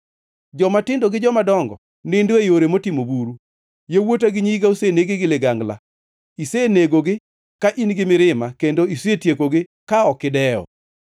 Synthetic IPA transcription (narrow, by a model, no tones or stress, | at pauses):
d͡ʒɔmatɪndoɡɪd͡ʒɔmadɔŋɡɔ̰ | nɪndoejoɾemotimobuɾu | jewotaɡɪɲiɡauseneɡɪɡɪlɪɡaŋɡla̰ | iseneɡoɡɪ | kaʔinɡɪmɪɾɪmakendoisetjekoɡɪ | kaɔkɪdɛɔ̰